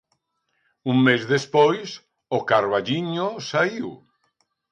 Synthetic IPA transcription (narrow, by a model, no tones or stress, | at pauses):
uŋmezðespojs | okaɾβaʎiɲosaiw